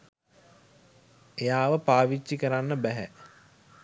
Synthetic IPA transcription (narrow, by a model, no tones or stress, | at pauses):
ejaːʋəpaːʋit͡ʃːikəɾanːəbæɦæ